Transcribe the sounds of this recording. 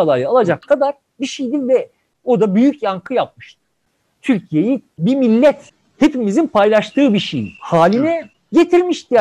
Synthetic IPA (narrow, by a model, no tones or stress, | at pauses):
alˠajaalˠad͡ʒakʰːad̪aɾ | biʃejd̪ivɛ | o̞d̪abyjycjaŋkʰɯjap̚mɯʃt̪ɯ̥ | t̪ʰyɾcʰijejibimilʲːɛt̪ | he̞pimizinpʰajlˠaʃt̪ʰɯːbiʃejḭhaːlʲinɛ | ɟe̞t̪ʰiɾmiʃt̪i